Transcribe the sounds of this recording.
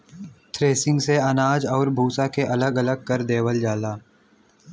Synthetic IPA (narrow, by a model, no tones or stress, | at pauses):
t̪ʰɾeːsɪ̃ŋɡseɐnaːd͡ʒɔːɾbʱuːsakeʔɐləɡɐləɡ̚kɐɾd̪eːwəld͡ʒaːlaː